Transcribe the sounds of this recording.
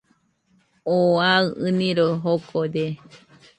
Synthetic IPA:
oaɨɨ̃nĩɾoɦokʰoɾe

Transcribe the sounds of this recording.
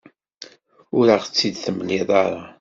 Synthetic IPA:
ʊɾaʁət͡sːid̪θəməlːiðˤɑɾˤɑ

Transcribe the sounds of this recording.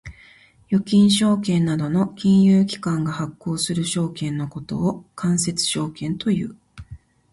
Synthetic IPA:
jo̞kʲĩɰ̃ɕo̞ːkẽ̞nːad̪o̞no̞kʲĩɰ̃jɯːkʲi̥kãŋɡahakːo̞ːsɨɾɯ̟ɕo̞ːkẽ̞nːo̞ko̞t̪o̞̰ːkʰãɰ̃se̞t͡sɨ̥ɕo̞ːkẽ̞nt̪o̞jɯ̟̰ː

